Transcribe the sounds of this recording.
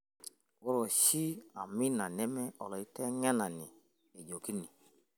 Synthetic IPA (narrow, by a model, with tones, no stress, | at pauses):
wɔ˦ɾɔ˨ʃi˦a˨mi˦na˨nɛ˦mɛ˦ʔɔ˨lɔ˨i˦tɛ˦ŋɛ˦na˨ni˨ | e˨ɟo˨ki˦ni˨